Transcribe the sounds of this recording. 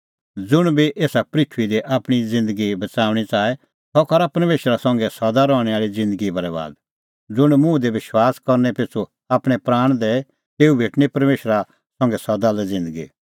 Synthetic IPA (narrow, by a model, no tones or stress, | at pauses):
d͡zʊɽ̃biʔeːsapɾɪkʰʋid̪eʔaːpɽ̃id͡zɪ̃nd̪əɡibɐt͡saːʋɽ̃it͡saːɛ | t̪ɔkɐɾapɐɾmeːʃɾasɐ̃ŋɡɛsɔd̪aɾɔːɽ̃ɛaːɭid͡zɪ̃nd̪əɡibɐɾɛba̰ːd̪ | d͡zʊɽ̃mũːd̪eʋɪʃwaːskɐɾnɛpɪt͡sʰo | aːpɽ̃ɛpɾaːɽ̃d̪ɛ | t̪eːubʱeːʈñipɐɾmeːʃɾa | sɐ̃ŋɡɛsɐd̪alɛd͡zɪ̃nd̪əɡḭ